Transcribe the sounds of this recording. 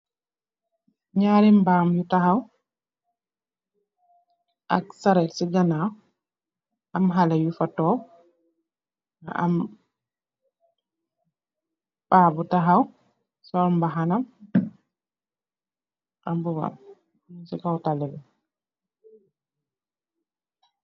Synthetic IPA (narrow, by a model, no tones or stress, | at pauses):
ɲaːɾimbamjutahaw | ʔa̰ksaɾɛtsiɡanaw | ʔamɦalajufatɔːw | a̰m | ɓaːbutaɦaw | sɔɾmbaɦanam | ʔambuba̰m | usikawtalɛbɛ